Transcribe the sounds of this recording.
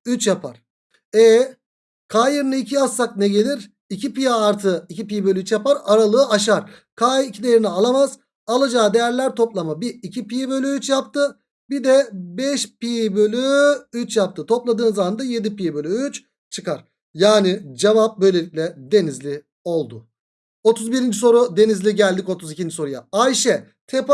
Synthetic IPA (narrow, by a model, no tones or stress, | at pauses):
yt͡ʃjapʰaɾ̥ | ɛ | kʰaːjɯɾnɯicʰiasːak̚nɛɟe̞lʲiɾ | icipijaːɾt̪ʰɯicipijbølʲyyt͡ʃjapaɾaɾalˠɯːaʃaɾkʰaːicʰid̪ejeɾinɛalˠamaz̥ | alˠad͡ʒaːd̪e̞jæɾlʲæɾt̪ʰo̞plˠamabiːcʰipijbø̞lʲyyt͡ʃjapt̪ʰɯ | bid̪ɛbɛʃpijbø̞lʲyyt͡ʃjap̚t̪ʰɯt̪ʰo̞plˠad̪ɯːnzamand̪aje̞d̪ipibølʲyyt͡ʃ | t͡ʃʰɯkaɾ̥ | jaːnid͡ʒevap̚bø̞jlʲe̞lʲicʲlʲɛd̪e̞nizlʲi | o̞lˠd̪ʊ | o̞t̪ʰuzbiɾind͡ʒis̬o̞ɾud̪e̞nizlʲiɟælʲd̪ico̞t̪ʰuzicind͡ʒiso̞ɾuja̰ajʃɛ | t̪ʰep